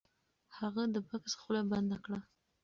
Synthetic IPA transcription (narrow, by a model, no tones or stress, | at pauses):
haɣad̪əpaksxulaband̪akɽa